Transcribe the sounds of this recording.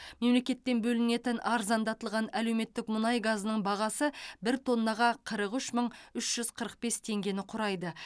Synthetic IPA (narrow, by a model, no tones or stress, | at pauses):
me̞mle̞kʲe̞t̪ːe̞nbɵlɪne̞t̪ɪnʔɑɾzɑnd̪ɑt̪əlˠʁɑnæle̞wme̞t̪ːɪkmʊnɑjɡazənəɴbɑʁɑsəbɪɾt̪ʰo̞nːɑʁɑqʰəɾəqʏʃməɴʏʃʒ̥ʏzqʰəɾəq̚be̞st̪ʰe̞ŋɡʲe̞nɪqʰʊɾɑjd̪ə